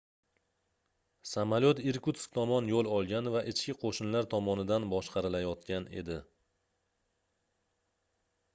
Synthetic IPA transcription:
samalot̪iɾkut̪skt̪ʰɒmɒnjolˠɒlˠɡʲanɪvaʔɪt͡ʃʰkʲɪqʰoʃɪnlaɾt̪ʰɒmɒnɪd̪anbɒʃqʰɑɾɪlajɒt̪kʲʰane̞̰d̪ɪ

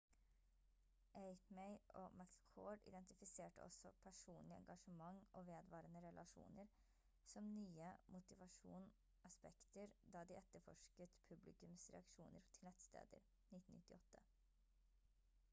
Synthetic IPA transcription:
ʔeɪt̪meɪʔo̰ːmæt̪kʰoːɖɪ̰d̪ɛnt̪ɪfɪseːʈə̰ʔɔ̰sɔ̰pʰæʂuːnlɪɛ̰ŋɡɑʂəmɑŋːʔoːʋeːd̪ʋɑːɾənəɾɛlʔɑʂṵːnəɾ | sɔmnyːəmʊt̪ɪʋɑʂṵːn | ʔɑspɛkt̪əɾd̪ɑːd̪ɪʔɛt̪ːəɾfɔ̰ʂkət̪pʰʉblɪkʉmsɾɛ̰ɑkʂuːnəɾt̪ʰɪlnɛt̪st̪ḛːd̪ə̰ɾ | nɪt̪ːn̩nɪt̪ːɪɔt̪ʰːə

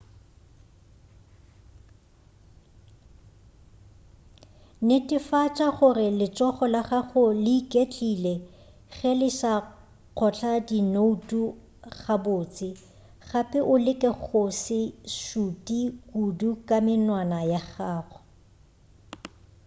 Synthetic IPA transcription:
nɪtʼɪfat͡ʃʼaχʊrɪlɪt͡ʃʼɔχɔlaχaχʊlɪikʼet͡ɬʼilɛ | ɣɛlɪʃa | q͡χʰɔt͡ɬʰadinoutʼu | χabʊːt͡sʼɪ | χapʼɛʔʊlɪkʼɛχʊsɪʃutʼikudukʼamɪnwanajaχaːχɔ̥

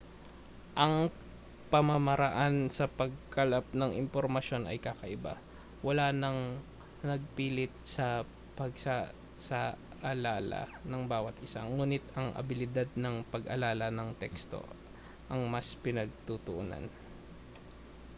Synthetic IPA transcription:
ʔɐŋ | pɐmɐmɐɾɐʔansɐpɐɡ̚kɐlap̚nɐŋɪmpoɾmɐʃo̞nɐ̰jkakɐʔɪba̰ | wɐlaːnɐŋ | nɐɡ̚piːlɪt̪̚sɐ | pɐɡsa | sa | ʔɐlaːlɐ̰nɐŋbaːwɐt̪ʔɪsa̰ŋuːnɪt̪ɐŋʔɐ̰bɪlɪd̪ad̪̚nɐŋpɐɡʔɐlaːlɐnɐŋt̪ɛkst̪o̰ | ʔɐŋmɐspɪnɐɡ̚t̪ut̪ʊʔuna̰n

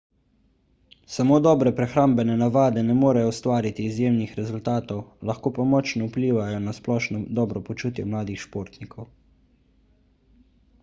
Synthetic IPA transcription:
samoːd̪ɔːbɾɛpɾɛxɾaːmbɛnɛnaʋaːd̪ɛnɛmoːɾɛjɔust̪ʋaːɾit̪iːzjeːmnixɾɛzult̪aːt̪ɔwlɐxkoːpamɔt͡ʃnɔupliːʋajɔnasplɔːʃnɔd̪ɔːbɾɔpɔt͡ʃuːt̪jɛmlaːd̪ixʃpoːɾt̪nikʰɔw

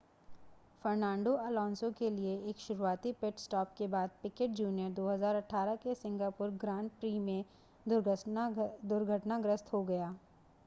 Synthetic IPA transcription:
fɐɾnãːɳɖoɐːlɔ̃ːnsõkelieeːkʃʊɾuaːt̪ipɪʈsʈɔːp̚kebaːd̪̚pɪkeʈ̚d͡ʒuːnijəɾd̪oːɦɐzaːɾɐʈʰaːɾəkesɪ̃ŋɡaːpʊɾɡɾãːɳʈ̚pɾiːmẽ | d̪ʊɾɡʱəʈnaɡɾəst̪ɦoɡɐjaː

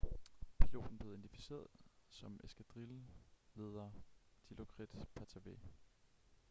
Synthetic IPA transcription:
pʰilo̝̰ːd̥n̩b̥le̝ːe̝nd̥ifi̥se̝̰ːɐðˠsɒ̽mesɡ̥æd̥ʁille̝ːð̞ˠɐd̥ilo̝kʰʁid̥pʰæt͡sʰæʋe

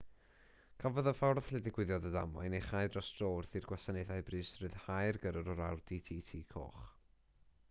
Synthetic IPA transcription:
kʰavɔðəfɔrθlɛdɪɡ̥wɪðjɔdədamɔɨneχajdrɔstroːrθirɡwasanɛðajbrɨːsrɨðhajrɡəɾəɾɔɾawd̥itʰiːtʰiːkʰo̰ːχ

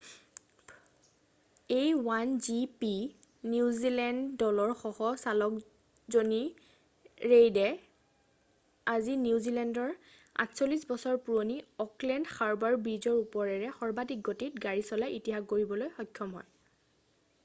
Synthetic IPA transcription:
ejwanzipi | niuzilɛndːɔlɔɹxɔhɔsalɔk | zoni | ɹejdɛ | aziniuzilɛndɔɹ | a̰tsolisbɔsɔɹpuɹoniɔklɛndxaɹbaɹbɹizɔɹupɔɹɛɹɛxɔɹbadik̚ɡːotit̚ɡaɹisɔlajʔitiɦakkoɹibɔlojxɔjkʰːɔmɦɔj

